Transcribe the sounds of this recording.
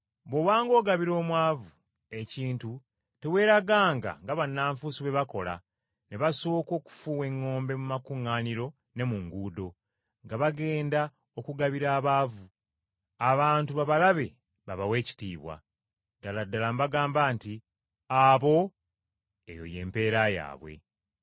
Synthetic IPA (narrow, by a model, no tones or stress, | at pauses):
βowaːŋɡo̞ːɡaβiɾo̞ːmwaːvu | e̞ciːntu | te̞we̞ːɾaɡaːŋɡa̰ŋɡaβanːaːɱfusiβe̞βako̞̰la̰ | neβasoːko̞ːku̥fuːwe̞ŋːo̞ːmbe̞mumakuŋːaːniɾo̞ | ne̞muŋɡuːdo̞ | ŋɡaβaɡe̞ːnda | o̞kuɡaβiɾaːβaːvu | aβaːntuβaβalaβe̞ | βaβawe̞ːci̥tiːβwa̰ | d̥aladːalambaɡaːmbaːnti | aβo̞ | ḛjo̰je̞̰ːmpe̞ːɾaja̰ːβwe̞̰